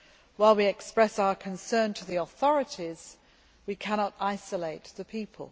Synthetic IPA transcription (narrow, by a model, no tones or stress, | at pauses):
waɪlˠwiɛkspɹɛsaʊəkʰə̃nsɜ̃ːntʰəðiəθɒɹɨtiz̥ | wikʰaɾ̃ɒtaɪsəleɪʔ̪ðəpʰiˑpʰə̰lˠ